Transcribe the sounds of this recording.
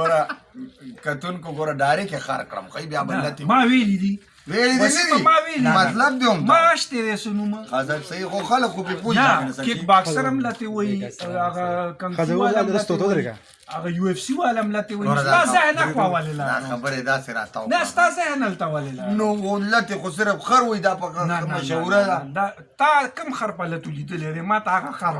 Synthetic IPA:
ɡoɾa | kɐt̪unkoɡoɾaɖaːɾekexa̰ɾkɽɐ̰mxaibjabɐlat̪imaːwelid̪i | welid̪iid̪amaːwelimɐt̪lɐb̚d̪eumtmaaʃt̪ed̪esonumɐxazasɐixoxalɐkːupepuanskekbaːksɐɾɐmlat̪ewɐiaɣakankwalamlat̪wa | aɣajuefsiwalamlat̪ewaiazɪhnaxwawalelad̪a̰xabəɾed̪aseɾa̰st̪a̰wnast̪azɪhnalt̪awalelanoolat̪exos̬ɪɾəpxaɾwaid̪apakanaaʃawuɾad̪ad̪a | t̪akəmxaɾpalat̪olid̪əled̪emɑt̪aːɣaxaɾ

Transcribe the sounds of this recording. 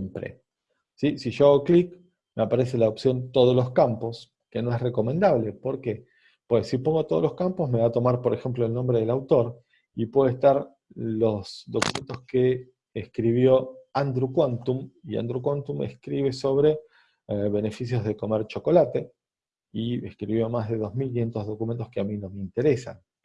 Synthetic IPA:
empɾḛ | sisiʃoɣoklik | meapaɾe̞s̬e̞laopsjo̞nt̪o̞ð̞oloskampo̞s | kenoe̞sre̞ko̞mẽnd̪aβ̞le̞po̞ɾke | pwesːipoŋɡot̪o̞ðoloskampo̞sme̞βat̪o̞maɾpo̞ɾexemplo̞elnombɾeðelawt̪o̞ɾ | ipwe̞ðest̪aɾ | lo̞sðo̞kumẽnt̪oskeː | skɾiβ̞jo̞and̪ɾukwant̪umia̰nd̪ɾukwant̪umḛskɾiβe̞so̞β̞ɾe̞ | βene̞fisjo̞zð̞eko̞meɾt͡ʃo̞ko̞lat̪e̞ | ieskɾiβjomaɦðe̞ðo̞zmilk̬inje̞nt̪ozðo̞kumẽ̞nt̪ohkeamino̞meint̪e̞ɾesa̰n

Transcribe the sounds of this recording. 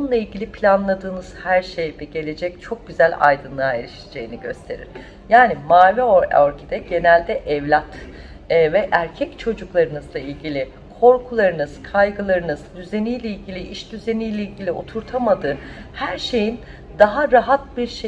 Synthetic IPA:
ounlˠailʲɟʲilʲipʰlʲanlˠad̪ɯːnɯz̥hæɾʃe̞jb̪ɛɟe̞lʲe̞d͡ʒɛct͡ʃʰo̞k̚ɟyzælʲa̰jd̪ɯnlˠaːelʲiʃi̥d͡ʒe̞jiniɟø̞̰st̪ʰe̞ɾḭɾ̥ | jaːnimaːvioɾcʰid̪ɛɟe̞nælʲd̪ɛʔɛvlʲat̪ː | vɛʔæɾcʰɛct͡ʃʰo̞d͡ʒuklˠaɾɯnɯzlˠailʲɟilʲi | kʰo̞ɾkʰulˠaɾɯnɯz̥kʰajɡɯlˠaɾɯnɯzd̪yze̞nijlʲeilʲɟilʲiʔiʃd̪yze̞nijlʲeilʲɟilʲio̞t̪ʰuɾt̪ʰamad̪ɯːhæɾʃe̞jin | d̪aɦaɾaɦat̪̚biɾʃe

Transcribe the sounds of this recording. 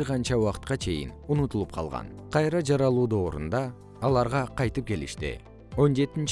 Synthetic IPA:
ʁɑnt͡ʃɑwɑqə̥t̪̚qɑt͡ʃʰe̞jɪ̰nunut̪ulˠup̚qʰɑ̰lˠʁɑ̰nqʰɑjɾɑd͡ʒɑɾɑlˠuːd̪o̞ːɾṵnd̪ɑː | lˠɑɾʁɑqʰɑjt̪ɯp̚kʲe̞lḭʃt̪ɪ̰ | o̞nd͡ʒe̞t̪int͡ʃ

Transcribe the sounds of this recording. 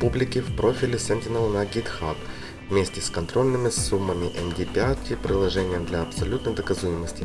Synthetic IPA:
publʲɪkʲɪfpɾo̞fʲɪlʲɪsɛnʲtʲɪnəlˠnaɡʲit̪xak | vmʲesʲtʲɪskɐnt̪ɾo̞lʲnɨmʲɪsumːəmʲɪʔɛmdʲipʲɪat̪ʲːɪpɾʲɪlˠɐʐɛnʲɪjəmd̪lʲɐɐpsɐlʲut̪nəjd̪əkɐzujɪməsʲtʲɪ

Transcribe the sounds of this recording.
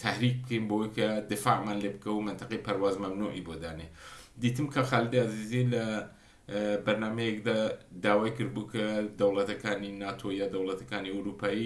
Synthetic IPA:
t̪ʰɐhɾik̚bɨkʰejmbɐwɐjkʰɐd̪ɪfaʕmaːnlebkʰɐwmɪnt̪ɨqepʰɐɾwaːzmɐmnuʔibod̪aned̪it̪ɨmkʰɐxalɪd̪iazizilɐ | bɐɾnaːmejek̚d̪ad̪aːwaːjkɨɾbukʰɐd̪ɐwlɐt̪ɐkʰaːninaːt̪ʰojaːd̪ɐwlɐt̪ʰɐkaːniʊɾupʰaːi

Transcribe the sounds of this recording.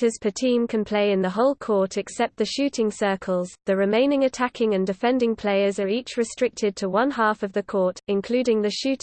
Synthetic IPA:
əz̥pʰətʰĩːmkʰə̃npʰl̥eɪɪ̃nðəɦɒʊlˠkʰɔˑtʰɛksɛp̪̚ðəʃʉˑtʰɪ̃ŋsɜˑkʰəlˠz̥ðəɹɪmẽɪ̃nɪ̃ŋətʰakʰɪ̃ŋə̃ndɪfɛ̃ndɪ̃ŋpʰl̥eɪəzəɹiˑt͡ʃɹɪstɹ̥ɪk̚tʰɪd̚tʰəwʌ̃nɦɑˑfəvðəkʰɔˑtɪ̃nkʰl̥ʉːdɪ̃ŋðəʃʉˑt

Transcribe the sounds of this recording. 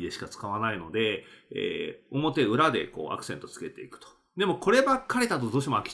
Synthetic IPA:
d̪e̞ɕi̥kat͡sɨ̥kaβanaino̞d̪e̞ḛːo̞mo̞t̪e̞ɯ̟ɾad̪e̞̰ko̞̰ːʔa̰kɯ̥sẽ̞nt̪o̞t͡sɨ̥ke̞t̪e̞̰ikɯ̟̥t̪o̥ | d̪e̞mo̞ko̞ɾe̞bakːaɾe̞t̪at̪̬od̪o̞ːɕ̬iemoakʲi̥

